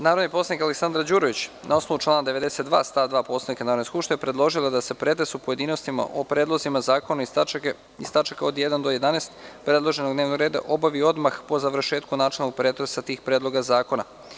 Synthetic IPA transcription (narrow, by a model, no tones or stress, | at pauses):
naːɾod̪niposanikaleksand̪ɾad͡ʑuːɾoʋit͡ɕ | nʔao̞snoʋut͡ʃlˠaːnad̪e̞ʋe̞d̪eset̪̚d̪ʋa̰ːst̪ad̪ʋaːposaikanaɾod̪niskupʃt̪eepɾe̞d̪lˠo̞ʒilˠad̪ase̞pɾe̞t̪esupoje̞d̪iːno̞st̪ima̰ʔopɾed̪lˠozimazaːkona | ist̪at͡ʃakaod̪jed̪and̪oje̞d̪aneːst̪pɾe̞d̪lˠo̞ʒe̞noɡd̪neːʋnoɡɾe̞ːd̪a̰ʔo̞baʋio̞d̪maxpo̞zaʋɾ̩ʃeːt̪kunaːt͡ʃelno̞ɡ̚pɾe̞ːt̪ɾesat̪iːxpɾed̪lˠo̞ɡazaːko̞na̰